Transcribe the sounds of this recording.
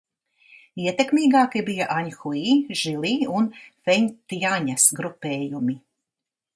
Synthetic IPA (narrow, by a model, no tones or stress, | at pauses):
iɛt̪ekmiːɡaːkibijaʔaɲxuiːʒilˠiːunfɛɲt̪aɲɐsɡɾupeːjumi